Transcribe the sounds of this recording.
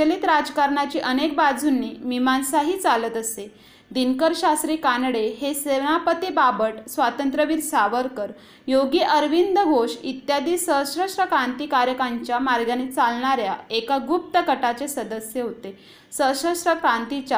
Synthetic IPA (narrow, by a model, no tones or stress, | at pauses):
əliːt̪ɾad͡zkaɾɳat͡ɕiːʔənek̚bad͡zʱunːiːmimansaɦiːt͡salət̪əse | d̪inkəɾɕasɾiːkanɽeɦeseʋnapət̪ibabəʈsʋat̪ənt̪ɾəʋiːɾsaʋəɾkəɾ | joɡiːʔəɾʋind̪əɡʱoɕit̪jad̪iːsəsɾəsɾəkɾãnt̪iːkaɾjəkaɲt͡ɕjamaɾɡjanit͡salɳaɾjaekaɡup̚t̪əkəʈat͡sesəd̪əsjeɦot̪e | səɕəsɾəkɾãnt̪it͡ɕa